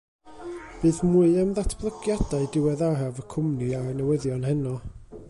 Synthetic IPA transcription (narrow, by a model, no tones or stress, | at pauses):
b̥ɨːðmuːɨamðatʰb̥lˠəɡjadaɨdɪwɛðaravəkʰʊmniaɾənɛwɛðjɔnhɛnɔ